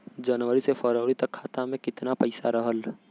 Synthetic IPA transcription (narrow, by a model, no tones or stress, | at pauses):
d͡ʒənʋəɾisefəɾəːɾit̪ɐkʰːaːt̪amẽkɪt̪napəɪsaɾəɦəl